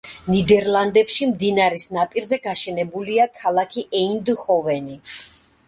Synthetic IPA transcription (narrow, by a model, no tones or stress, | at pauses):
nid̪ɛɾlˠand̪ɛpʃimd̪inaɾisnapʼiɾzɛɡaʃɛnɛbuliakʰalˠakʰiʔɛind̪χɔvɛni